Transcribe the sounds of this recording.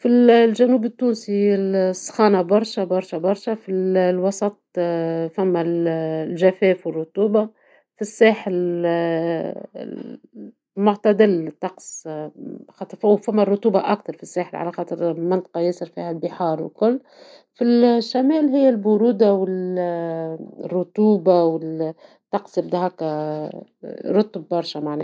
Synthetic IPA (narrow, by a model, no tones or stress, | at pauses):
fillʒænuːbɪt̪ːuːnsilsˤːxɑːnabɑɾˤʃabɑɾˤʃabɑɾˤʃafilwɑsˤɑt̪̚ˤfæmːællʒæfɛːfwɪrːˤʊt̪uːba | fisːaːħɪl | mʊʕt̪ad̪ɪlt̪ˤːɑqsˤ | xɑt̪ˤɾfwfæmːærˤːʊt̪uːbaʔak̚t̪ɑɾˤfisːaːħlʕa̰læxɑːt̪ˤəɾmɪnt̪ˤɑ̥qɑjɪsɪɾfḭhælbɪħɑːɾˤwɪkʊlː | filʃːamɛːlɦɪjːælbʊɾuːd̪awɪl | rːʊt̪uːbawɪt̪ːɑqsjɪb̚d̪æɦɑːkæ | ɾˤʊt̪ːbːɑɾˤʃamaʕnæ